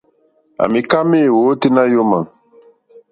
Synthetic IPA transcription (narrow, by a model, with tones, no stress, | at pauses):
a̰˨mi˨ka˦me˦˨wo˨˦te˦nã˦jo˦mã˨ŋ